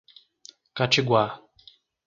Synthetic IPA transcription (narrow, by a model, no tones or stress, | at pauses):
kat͡ʃɪɡwa